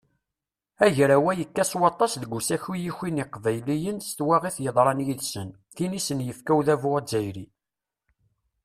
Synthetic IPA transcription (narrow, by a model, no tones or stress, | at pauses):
æʝɾæwæjəkːæswɑt̪ˤːɑsðəɡʷusæçwijiçiniqvæjlijənst̪wæʁiθjəðˤɾˤɑnjiðsən | θinisənjəfkæwðævʊʁæzæjɾi